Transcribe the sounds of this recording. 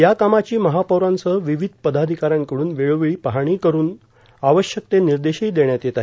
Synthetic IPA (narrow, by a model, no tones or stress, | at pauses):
jakamat͡ɕiːməɦapawɾãnt͡səʋiʋid̪̚ʱpəd̪ad̪ʱikaɾjãŋkəɽuːnʋeɭoʋiɭiːpaɦaɽ̃iːkəɾuːn | aʋəɕjək̚t̪eniɾd̪eɕiːd̪eɳjat̪jet̪aɦ